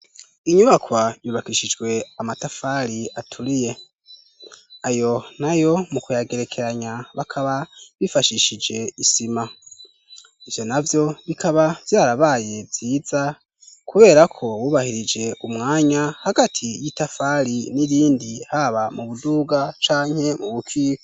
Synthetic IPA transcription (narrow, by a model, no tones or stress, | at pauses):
iɲuβakwajuːβakiʃid͡ʒɡwe̞amatafaɾiatʰuɾije̞ | ajo̞najo̞mukujaɡe̞ɾe̞kʰe̞ɾaɲaβakʰaβaβifaʃiʃid͡ʒe̞isima | iv̥jo̞navjo̞βikʰaβav̥jaːɾaβaje̞vz̥iːd͡za | kʰuβe̞ːɾakʰo̞wuːβahiɾid͡ʒe̞ʔumŋaːɲahaɡatʰijitafaɾiniɾiːndihaβamuβuduːɡat͡ʃaːɲhe̞muβukʰiːk